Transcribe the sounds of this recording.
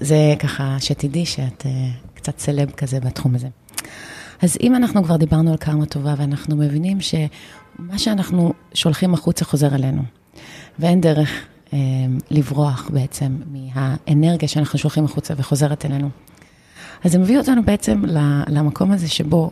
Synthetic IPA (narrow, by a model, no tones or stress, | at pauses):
zekaχaʃetidiʃeatekt͡satt͡selebkazebatχumaze̞ | azḭmanaχnukvaʁd̪ibaʁnualkaʁmato̞vaveanaχnume̞vinimʃe̞maʃeanaχnuʃo̞lχimaχut͡saχo̞zeʁele̞nṵ | vee̞nde̞ʁeχ | emlivʁo̞aχbe̞et͡se̞mːiɦaene̞ʁɡijaʃeanaχnuʃo̞lχimaχut͡saveχo̞ze̞ʁetele̞nu | azemevio̞tanube̞et͡se̞mlalamakʰo̞mazeʃe̞bo̞